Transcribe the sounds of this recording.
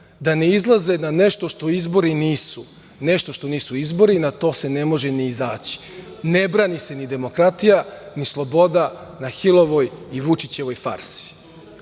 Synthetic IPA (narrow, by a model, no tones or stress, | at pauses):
d̪ane̞izlˠaze̞nane̞ʃt̪o̞ʃt̪o̞izbo̞ɾiniːsu | neʃt̪o̞ʃt̪o̞niːsuizbo̞ɾinat̪o̞ːse̞ne̞mo̞ʒeniːzaːt͡ɕi̥ | ne̞bɾaːnise̞nid̪e̞mo̞kɾat̪ijanislˠo̞bo̞d̪anaxilˠo̞ʋo̞jiʋut͡ʃit͡ɕe̞ʋo̞jfa̰ɾsi̥